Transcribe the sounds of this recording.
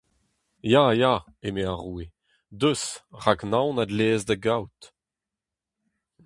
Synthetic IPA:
jaja | emeaʁuːe | d̪øsʁaknãwnad̪leːzdəɡawt̪

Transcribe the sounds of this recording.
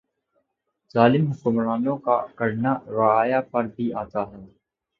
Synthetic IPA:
z̥aːlɪmɦʊkʊmɾaːnõkakɐɾnaɾaaːjapɐɾbʱiaːt̪aɦɛː

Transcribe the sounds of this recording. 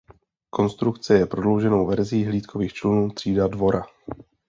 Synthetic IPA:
kʰo̞nst̪ɾukt͡sɛjɛpɾo̞dlo̞wʒɛno̞wvɛɾziːɦliːt̪kʰo̞viːxt͡ʃlʊnuːt̪r̝̥iːdadvo̞ɾʔa

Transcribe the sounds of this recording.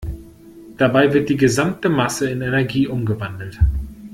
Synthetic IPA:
d̥abaɪvɪɐt̚d̥iːɡəzamtəmasəɪnɛnɛɐɡiːʔʊmɡəvandl̩t

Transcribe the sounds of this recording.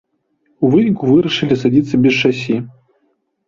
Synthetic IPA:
uvɨnʲikuvɨɾɐʂɨlʲisad͡zʲit̪sːɐbʲɛst͡ʂasʲi

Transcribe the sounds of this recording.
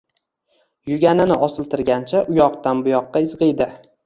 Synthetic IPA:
jʊɡʲanɪnɪʔɒsɪlˠt̪ʰɪɾɡʲant͡ʃʰaʔʊjɒqt̪anbʊjɒqːɑɪzʁɨjd̪ɪ

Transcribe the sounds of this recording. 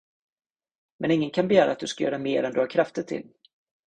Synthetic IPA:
mʔɛnɪŋːənkʰanbɛjæːɾa̰ːt̪̚d̪ɵskajœ̰ːɾamḛːɾɛnd̪ɵhaɾkʰɾaft̪ət̪ʰɪ̰l

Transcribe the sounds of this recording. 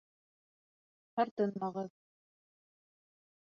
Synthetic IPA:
hɑɾt̪ɤnmɑʁɤð

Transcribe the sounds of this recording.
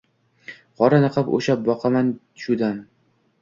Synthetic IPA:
qʰɒɾanɨqʰɨpo̰ʃap̚bɒqʰɑman | ʃud̪an

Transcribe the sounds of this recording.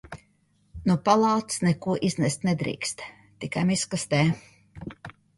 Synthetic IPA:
nupalˠɑːt̪snɛkuɔʔiznɛst̪ʲnɛd̪ɾḭːkst̪ | t̪ikajmiskast̪ɛ

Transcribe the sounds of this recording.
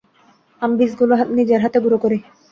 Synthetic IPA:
ambisɡuloɦat̪nid͡ʑeɾɦat̪ebuɾokoɾe

